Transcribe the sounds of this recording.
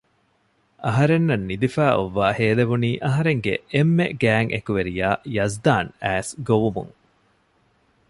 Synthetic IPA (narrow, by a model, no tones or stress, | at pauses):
ɐɦɐɾenːɐnːid̪ifæːʔoʋːaːheːleʋuniːʔɐɦɐɾeŋɡḛemːeɡæːŋʔḛkuʋeɾijaːjɐzd̪aːnæːsɡoʋumṵŋ